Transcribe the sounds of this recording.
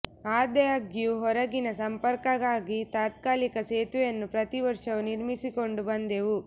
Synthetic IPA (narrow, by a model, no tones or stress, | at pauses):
aːd̪ɛjaɡijuɦɔɾɐɡinɐsɐmpɐɾkɐɡaːɡit̪aːt̪kaːlikɐseːt̪ujɐnːupɾɐt̪iʋɐɾʂɐʋuniɾmisiko̞ɳɖubɐnd̪eʋu